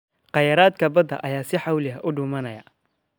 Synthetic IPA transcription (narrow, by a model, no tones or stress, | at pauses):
qɑjɐɾaːd̪kʰɐbɐd̪ɐ̰ʔɐjaːsɪħɑwlɪɦɐʔʊɖʊːmɐnɐjɐ̰